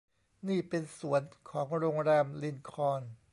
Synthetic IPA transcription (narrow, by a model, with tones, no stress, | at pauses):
niː˥˩pe˧nsu˩˦ənkʰɔː˩˦ŋɾoː˧ŋɾɛː˧mli˧nkʰɔː˧n